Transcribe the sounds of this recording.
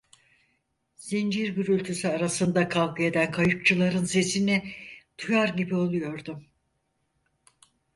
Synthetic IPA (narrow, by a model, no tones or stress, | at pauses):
z̥ind͡ʒiɾɟyɾylʲt̪ʰysyaɾasɯnd̪akʰalɡɯe̞d̪ænkʰajɯp̚t͡ʃʰɯlˠaɾɯnse̞sinɛt̪ʰujaɾɟibio̞lˠujo̞ɾd̪um